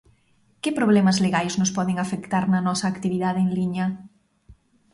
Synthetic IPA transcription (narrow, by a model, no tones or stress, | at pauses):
kɪpɾoβlɛmɐzleɣajznʊspɔðeŋafekt̪aɾnɐnɔsɐːkt̪iβiðaðeeŋliɲɐ